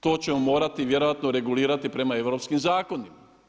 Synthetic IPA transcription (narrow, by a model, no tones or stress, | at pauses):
t̪o̞ːt͡ɕe̞momo̞ːɾat̪iʋje̞ɾo̞jat̪noɾe̞ɡuliːɾat̪ipɾe̞mae̞ʋɾo̞ːpskimzaːko̞nima